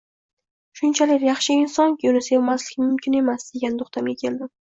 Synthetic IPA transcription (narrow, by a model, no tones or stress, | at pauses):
ʃʊnt͡ʃʰalɪkʲjɑχʃɪɪnsɒnkʲʰonɪsajomaslɪɡʲɪmʊmkʲʰɪne̞masd̪e̞ɡʲand̪ʊχt̪ʰamekʲʰeld̪ɪm